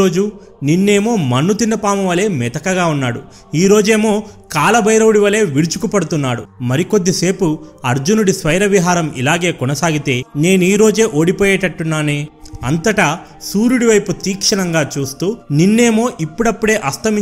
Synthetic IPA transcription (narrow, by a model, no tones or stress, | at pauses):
oːd͡ʒu | ninːe̞ːmo̞ːmɐnːut̪inːɐpaːmɐʋɐle̞ːmɛt̪ɐkɐɡaːunːaːɽṵ | iːɾo̞ːd͡ʒe̞ːmoːkaːlɐbʱɐjɾɐwuɽiʋɐle̞ːʋiɽut͡ʃukupɐɽut̪unːaːɽṵmɐɾiko̞d̪ːise̞ːpuɐɾd͡ʒunuɽisʋɐjɾɐʋiɦaːɾɐmʔḭlaːɡe̞ːkɔnɐsaːɡit̪e̞ːne̞ːnuiːɾo̞ːd͡ʒe̞ːʔoːɽipoːjɛːʈɐʈːunːaːne̞ːɐnt̪ɐʈɐ | suːɾuɽiʋɐjput̪iːkʂɐnɐŋɡaːt͡ʃuːst̪uːninːe̞ːmo̞ːʔipːuɽɐpːuɽe̞ːʔɐst̪ʰɐmi